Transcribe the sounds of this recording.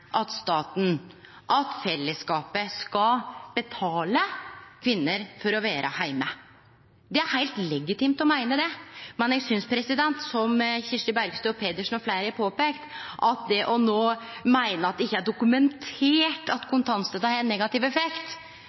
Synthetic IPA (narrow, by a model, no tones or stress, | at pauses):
ʔɑt̪st̪ɑːt̪n̩ | ʔɑt̪fɛlːəskɑːpəskɑb̥ɛt̪ʰɑːləkʰʋɪnːəɾfɔɾɔʋæːɾʔə̰hæɪmə | d̪ɛæɾhæɪlt̪lɛɡɪt̪ɪmt̪ɔmæɪnəd̪ɛmɛnɛɡsʏnspʰɾɛsɪd̪ɛnt̪sɔmçɪʂəbæɾɡst̪ːɔpʰeːd̪əʂn̩ɔflæɪɾæpʰoːpeːkt̪ʔɑt̪̚d̪ɛʔɔnoːmæɪnəɑt̪̚ɛɪçːəæɖʊkʉmɛnt̪ʰeːʈɑt̪kʰʊnt̪ʰɑnst̪ət̪ɑɾɛnːɛɡɑt̪ɪʋɛfɛkt̪